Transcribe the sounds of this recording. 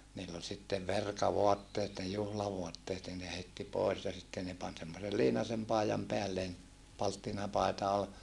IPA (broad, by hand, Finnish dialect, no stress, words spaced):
niːlː ol sitːeʋ ʋerkɑʋoɑtːeːt ne juhlɑʋoɑtːeːt nin ne heitːi poes jɑ sitːen ne pɑn semːosel liːnɑsem pɑˑijɑm peælːeːn pɑltːinɑpɑˑi̯tɑ ol